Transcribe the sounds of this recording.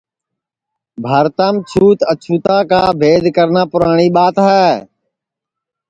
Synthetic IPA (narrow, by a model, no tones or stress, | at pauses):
bʱəɾt̪aːmt͡ʃʰuːt̪ət͡ʃʰuːt̪aːkaːbʱeːd̪kəɾnaːpʊɾaːɳ̃iːɓaːt̪ɦɛː